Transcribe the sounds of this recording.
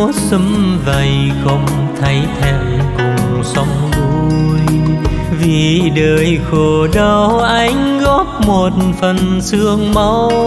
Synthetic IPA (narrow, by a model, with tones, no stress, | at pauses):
sɨ˨˦mvə˨˩jxə˧wŋ͡m | t̪ʰə˨˦jt̪ʰɛ˧wkʊ˨˩ŋ͡msə˨˦wŋ͡mzu˧j | vi˨˩ɗəː˨˩jxo˧˩ɗə˧wʔa˧jŋ̟ɣɔ˦˥p̚mo˨˩t̚fə˨˩nsɨ˧əŋma˧˦w